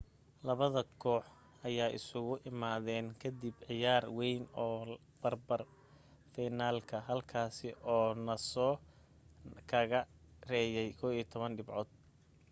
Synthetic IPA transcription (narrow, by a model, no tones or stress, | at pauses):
lɐβɐðɐkʰɔːħ | ʔɐjaːʔɪ̰sʊɣʊʔɪmaːðɛːnkʰɐd̪ibʕɪjaːrwɛjnɔː | b̥ɐrbɐr | fɛjnaːlkʰɐɦɐlkʰaːsɪʔɔːnɐsɔː | kʰɐɣɐrɛːjɛjkʰɔːwiːt̪ʰɔβɐnɖɪbʕɔːd̪̚